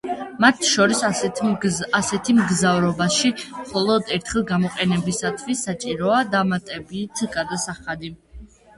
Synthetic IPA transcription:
mat̪ʰʃɔɾis | asɛt̪ʰimɡzavɾɔbaʃimχɔlˠɔd̪ɛɾt̪ʰχɛlˠɡamɔqʼɛnɛbisat̪ʰvisat͡ʃʼiɾɔad̪amat̪ʼɛbit̪ʰɡaɾd̪asaχad̪i

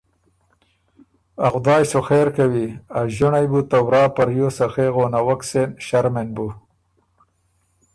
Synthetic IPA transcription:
axd̪ɑːjsoxeɾkawiaʒʊɳajbut̪awɾɑːpaɾjosaxeɣonawaksenʃaɾmenbu

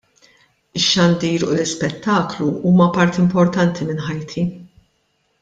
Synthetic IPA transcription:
ɪʃːɐnd̪iːɾulɪspɛt̪ːɐːkluʔuːmɐpɐɾt̪iɪmpɔɾt̪ɐnt̪ʰimɪnħɐjt̪ʰi

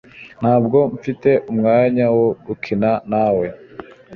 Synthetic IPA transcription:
n̥haːb̚ɡo̞ɱfite̞ʔumŋaːɲawoɡukʰinanawe̞

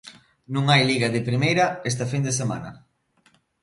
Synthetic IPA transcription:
nũŋajliɣaðɪpɾimejɾɐes̬t̪ɐfind̪esema̰nɐ

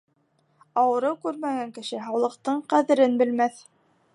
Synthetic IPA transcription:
ɑwɤ̆ɾɤwkʉɾmæɡæŋkɘ̆ʃɘɦɑwlˠɤ̆qt̪ɤɴqæðɘ̆ɾɘnbɘ̆lmæθ

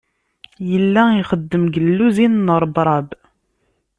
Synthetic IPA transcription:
jəlːæiχəd̪ːəmɡəlːuzinnəɾˤbɾˤɑb

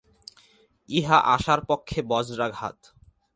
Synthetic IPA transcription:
iɦaʔaʃaɾpokʰːebɔd͡ʑɾaɡʱa̰t̪

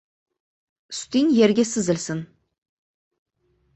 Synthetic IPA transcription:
st̪injeɾɡʲesɪzɪlsɪn

